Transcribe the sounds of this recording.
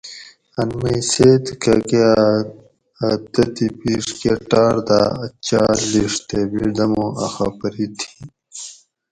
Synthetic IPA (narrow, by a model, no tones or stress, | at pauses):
ɐnmiseːt̪kɐ̰kea | ɐt̪ɐt̪ipiːʂkeʈaːɾd̪aɐt͡ɕaːliʂt̪ebid̪ɐmoɐ̰xapɐɾit̪ʰi̥